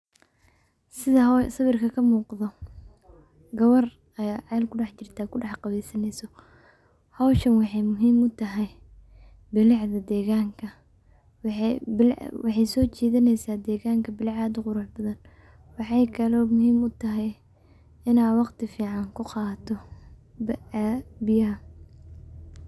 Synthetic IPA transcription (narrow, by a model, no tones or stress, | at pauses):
sɪðɐɦsɐβɪrkʰɐkʰɐmuːqðɔ | ɡɐwɔr | ɐjaʕɑlkʰʊɖɑħt͡ʃɪrt̪ʰaːkʰʊɖɑħqɑβɛjsɐnɛjsɔ | hɑwʃɐnwɑħɑjmʊɦiːmʊt̪ʰɐɦɛj | bɪlɪʕðɐd̪ɛːɣaːŋkʰɐ | w | wɑħɑjsɔːt͡ʃiːðɪnɛjsaːd̪ɛːɣaːŋkʰɐbɪlʕɑːd̪ʊqʊɾʊħbɐðɐn | wɑħɑjkʰɐlɔːmʊɦiːmʊt̪ʰɐɦɛj | ɪnaːwɑqt̪ʰɪfiːʕɑŋkʰʊqɑːt̪ʰɔ | b | bɪjɐɦɐ